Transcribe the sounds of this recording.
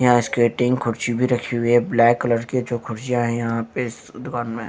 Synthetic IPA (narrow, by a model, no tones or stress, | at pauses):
jɐɦãɪskeːʈɪ̃ŋɡkʰʊɾt͡ʃibʱiɾɐkʰeɦueblɛːkːɐləɾked͡ʒoːkʰʊɾt͡ʃijãɦɛ̃jɐɦãpeɪs | d̪ʊkaːnmẽ